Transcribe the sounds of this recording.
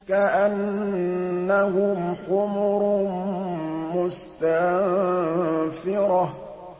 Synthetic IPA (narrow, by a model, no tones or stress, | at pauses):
kaʔanː | ahʊmqʊmʊɾ | mʊst̪a | fɪɾɑ